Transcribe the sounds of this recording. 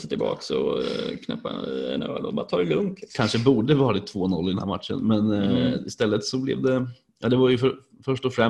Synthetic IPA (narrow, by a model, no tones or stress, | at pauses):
sət̪ʰɪlbɑ̰ːksɔ̰kʰnɛ̰pːa̰ɛ̰nø̰ːɖ̪ɔbɑɾt̪ʰɑːɾɛlɵŋk̪ʰkʰanʂəbuːɖəvɑːɾaɪt̪ʰːvoːnɔlːɪd̪ɛnhæːɾma̰t̪ʂə̰nmɛnɪst̪ɛlːət̪sɔblɛ̰vd̪ɛ | jʔɑːd̪ɛvaɾjɵfœɾ | fœʂʈɔfɾɛ